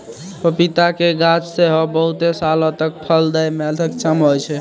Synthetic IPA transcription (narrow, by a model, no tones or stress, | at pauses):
pəpit̪akeɡat͡ʃseɦɔbəɦut̪esalõt̪ək̚pʰəld̪əjmɛlt̪ʰəkt͡ʃəmɦojt͡ʃʰɛ